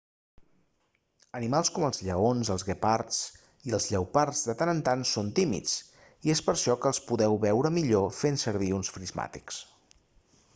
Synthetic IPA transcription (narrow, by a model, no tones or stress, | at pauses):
ənimalˠskɔməlˠzʎəonzəlˠzɣəpaɾt͡s | iəlˠzʎəwpaɾzðət̪anənt̪ansont̪imḭt͡s | iespəɾʃɔkəːlˠspuðɛwβɛwɾəmiʎofensəɾβ̞iunsfɾizma̰t̪i̥ks